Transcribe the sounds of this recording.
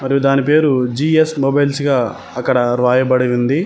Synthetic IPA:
mɐɾijud̪aːnipe̞ːɾud͡ʒiːesmobɐjlsɡaː | ɐkːɐɽɐɾʋaːjɐbɐɽiʋund̪i

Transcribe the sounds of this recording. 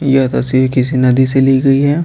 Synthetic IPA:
jɐt̪ɐsiɾkɪsinɐd̪iseliːɡɐiɦɛː

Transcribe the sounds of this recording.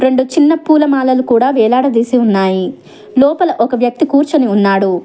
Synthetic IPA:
ɾe̞ɳɖut͡ʃinːɐpuːlɐmaːlɐlukuːɽaːʋɛːlaːɽɐd̪iːsiunːaːji | lɔːpɐlɐʔɔkɐʋjɐk̚t̪ikuːɾt͡ʃɐniunːaːɽu

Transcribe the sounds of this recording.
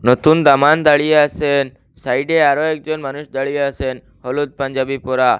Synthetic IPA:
nɔt̪und̪amand̪aɭijeasen | saiɖeaɾoek̚d͡ʒɔnmanuʃd̪aɭijeasen | hɔlud̪̚paɲd͡ʒabipɔɾa

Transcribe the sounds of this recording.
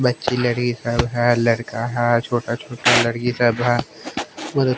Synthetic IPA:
bɐtːʃilɐɾkisəbɦɛlɐɽkaɦɛt͡ʃʰoːʈat͡ʃʰoːʈalɐɾkisəbɦɛː | mɐd̪ə

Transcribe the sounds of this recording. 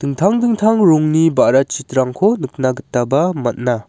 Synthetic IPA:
tɯŋtʰaŋdɯŋtʰaŋɾuŋnibaɾat͡ʃitɾaŋkʰɔnɯk̚naɡɯtːabamɐt̚na

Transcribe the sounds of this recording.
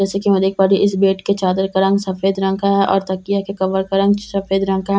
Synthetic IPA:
d͡ʒɛːsekimɐd̪eːk̚paɾiʔɪsbeːʈket͡ʃaːd̪əɾkɐɾə̃ŋɡsɐfeːd̪ɾɐ̃ŋkaɦɛʔɔːɾt̪ɐkːijakekɐbəɾkɐɾə̃ŋɡsɐfeːd̪ɾɐ̃ŋkaɦ

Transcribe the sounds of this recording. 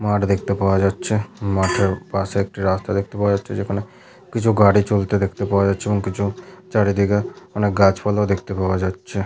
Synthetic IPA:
maːʈd̪ek̚ʰt̪epaʋed͡ʒaːt̪ːt͡ʃʰemaːʈʰeɾpaseek̚ʈiɾaːst̪ʰad̪ek̚ʰt̪epaʋed͡ʒat͡ʃʰed͡ʒekʰəne | kɪt͡ʃʰuɡaːɽit͡ʃolt̪ed̪ek̚ʰt̪epaʋed͡ʒaːt͡ʃʰebɔ̃ŋkɪt͡ʃʰut͡ʃaɽid̪iɡaɐneɡaːt͡ʃpalad̪ekʰt̪epaʋed͡ʒaːd̪t͡ʃʰe

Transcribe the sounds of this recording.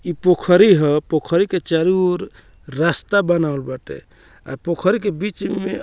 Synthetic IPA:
ipokʰəɾiɦəpokʰəɾiket͡ʃaɾuɾː | ast̪abənaolbaʈḛ | a̰pokʰəɾikebit͡ʃme

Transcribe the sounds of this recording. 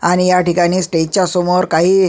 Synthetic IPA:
añijaʈikaɽ̃iːsʈet̚t͡ɕasomoɾkaɦiː

